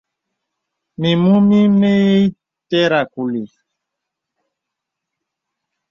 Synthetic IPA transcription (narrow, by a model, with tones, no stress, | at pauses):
mi˨mu˦mi˦me˦je˦i˦ | tɛ˦ɾa˨ku˨li˨